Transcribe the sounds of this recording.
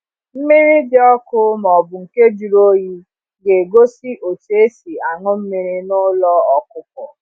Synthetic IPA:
m̩˦mi˦ɾi˦dɪ˦ɔ˦kʊ˦m˨ɔ˨bʊ˨ŋ̩˨ke˦d͡ʒu˨ɾo˦ji˦ | ɡe˨ɡo˦si˦ʔo˨t͡ʃe˨˦si˨a˨ŋʊ˦m̩˦mi˦ɾi˦nʊ˦lɔ˦ɔ˨kʊ˨kɔ˨

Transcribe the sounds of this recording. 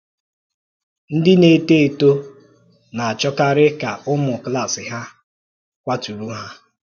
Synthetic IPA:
n̩˦dɪ˦ne˨te˦e˨to˦ | na˨a˨t͡ʃɔ˦ka˦ɾɪ˦ka˨ʔʊ˦mʊ˨kla˦˨sɪ˨ɦa˦ | kʷa˦tu˨ɾu˦ɦa˦

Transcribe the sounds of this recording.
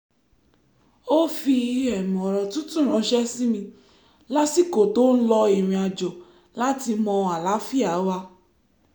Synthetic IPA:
o˦fi˧ɛ˨mɔ̃˨ɾɔ˨tũ˦tũ˦˨ɾ̃ɔ̃˨˦ʃɛ˦si˦mĩ˧ | la˦si˦˨ko˨to˦n̩˦lɔ˧i˨ɾ̃ĩ˨˧a˧d͡ʒo˨ | la˦ti˧mɔ̃˧a˨la˨˦fi˦˨a˨˦wa˧

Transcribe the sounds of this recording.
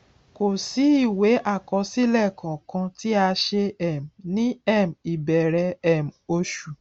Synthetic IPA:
ko˨si˨˦i˦˨we˨˦ʔa˦˨kɔ˧˦si˦lɛ˦˨kʰã˨kã˧ti˦a˧ʃe˧ɛ˨m˨nĩ˦ɛ˦˨m̩˨i˨bɛ˨ɾɛ˧˦ɛ˨m̩˨o˧ʃu˨

